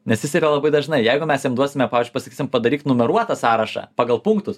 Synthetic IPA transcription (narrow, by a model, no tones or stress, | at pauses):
nʲɛsjɪsiːɾɐlˠɐbɐɪd̪ɐʒnɐɪjɛɪɡʊmʲɛsjɛmd̪uɔsʲɪmʲɛpɑːʋʲːzʲd͡ʒʲʊɪpɐsɐkʲiːsʲɪmpɐd̪ɐɾʲiːkt̪nʊmʲɛɾuɔt̪ɐsɑːɾɐʃɐ̰pɑːɡɐlˠpʊŋkt̪ʊs